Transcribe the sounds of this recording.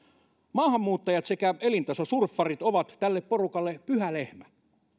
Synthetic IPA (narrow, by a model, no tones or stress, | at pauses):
mɑːhɑmːuːt̪ːɑjɑt̪sekæelint̪ɑsosurfːɑrit̪oʋɑt̪t̪ælːeppo̞rukɑlːepyhælehmæ